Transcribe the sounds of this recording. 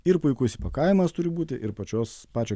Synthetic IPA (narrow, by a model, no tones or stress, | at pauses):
ɪɾpʊɪkʊsʲɪpɐkɐɪmɐst̪ʊɾʲɪbuːt̪ʲɪʔɪɾpɐt͡ʃʲoːspɑːt͡ʃʲoː